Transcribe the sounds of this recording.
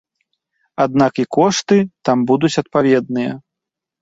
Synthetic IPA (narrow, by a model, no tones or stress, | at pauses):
ad̪̚nakikɔʂt̪ɨt̪ambud̪ut͡sʲɐt̪̚pavʲɛd̪nɨjɐ